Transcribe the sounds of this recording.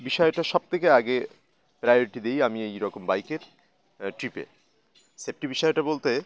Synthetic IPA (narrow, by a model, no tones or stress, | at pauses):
biʃɔeʈaʃɔb̚t̪ʰekeaɡe | pɾajoɾiʈid̪ejamiejɾɔkombajkeɾ | ʈɾipḛ | sep̚ʈibiʃɔeʈabolt̪e